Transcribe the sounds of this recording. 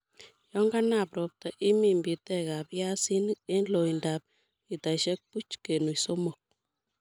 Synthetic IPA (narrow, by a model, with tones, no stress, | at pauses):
jɔ˦ŋɡa˦napɾɔ˨p̚ta˨ʔi˦mi˨mbi˨tɛ˦ka˨pja˦si˦ne˦nlo˨indap̚ | i˨ta˨ʃɛ˦k̚pu˦t͡ʃke˨nu˨iso˦mo˨k̚